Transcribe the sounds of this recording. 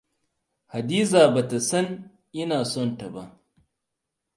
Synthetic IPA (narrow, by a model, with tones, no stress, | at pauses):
ha˨diː˦zaː˨ba˨ta˨sɐ˦n | ʔɪ˦naː˨sɔ˦nta˨ba˦ʔ